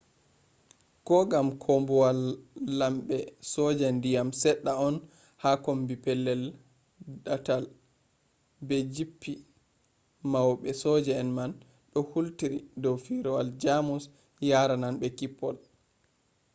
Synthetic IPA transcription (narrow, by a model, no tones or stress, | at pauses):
kɔɡamkʰɔmbɔwalːamɓɛsɔd͡ʒɛndijamsɛɗːaɔn | hakɔmbipɛlːɛl | ɗatal | bɛd͡ʒipːi | mawɓɛsɔd͡ʒɛːnman | ɗɔhultiɾidɔwfiɾɔwald͡ʒamus | jaɾananbɛkipːɔl